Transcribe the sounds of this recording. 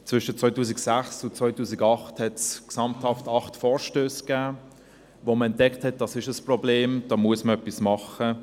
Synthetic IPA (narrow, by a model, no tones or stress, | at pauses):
t͡svʏʃət͡sʋɔʏtuːsiksæχsʊt͡sʋɔʏtuːsiɡɑχthɛtsksɑmthɑftɑχtfɔːɹʃtøːskaː | voməɛnt̚d̥ɛkthɛt̚d̥ɑsɪʃəsprɔbleːmd̥ɑːmuəsməœpːismɑχə